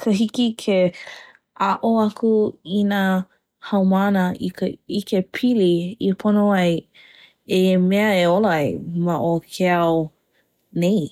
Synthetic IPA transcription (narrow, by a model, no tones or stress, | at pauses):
kʰəɦikikʰe | ʔaʔoɐkuina | hɐwmanəiikepʰiliipʰonoɐj | emeɐeolɐjmaʔokʰeaw | nej